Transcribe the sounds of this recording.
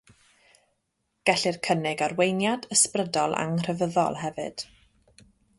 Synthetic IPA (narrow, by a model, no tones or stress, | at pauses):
ɡ̥ɛɬɪrkʰənɪɡarwejnjadəsprədɔlˠa̰ŋr̥əvəðɔ̰lˠɦɛvɨ̰d̥